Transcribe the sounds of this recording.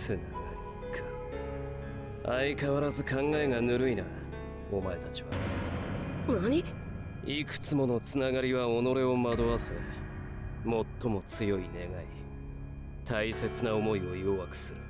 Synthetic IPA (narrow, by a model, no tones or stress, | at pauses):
sɨnː | a | kʰḁ | aikaβaɾazɨkãŋɡaeŋanɯ̟ɾɯ̟ina | o̞mae̞t̪at͡ɕiβa̰ | onaɲi | ikɯ̟̥t͡sɨmo̞no̞t͡sɨnaɡaɾʲiβao̞no̞ɾe̞o̞mad̪o̞βase | mo̞t̪ːo̞mo̞t͡sɨjo̞ine̞ɡai | t̪ʰaise̞t͡sɨnao̞mo̞io̞joβakɯ̟̥sɨɾɯ